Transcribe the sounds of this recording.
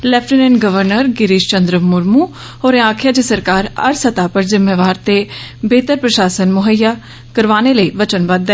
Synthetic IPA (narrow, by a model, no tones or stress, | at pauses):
lɛːpʰʈɪneːnɡəʋəɾnəɾɡɪɾɪʃt͡ʃənd̪ɾəmʊɾmuː | ɦoːɾẽãːkʰjaːd͡ʒəsəɾkaːɾə̰ɾsət̪aːpəɾzɪmːeːʋaːɾt̪eːbeːt̪əɾpɾəʃaːsənmʊɦəjːaː | kəɾʋaːneːləiːʋət͡ʃənʋəd̪ɛ